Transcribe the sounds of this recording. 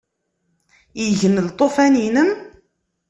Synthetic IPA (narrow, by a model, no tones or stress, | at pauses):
jəʝənlt̪ˤːofæninəm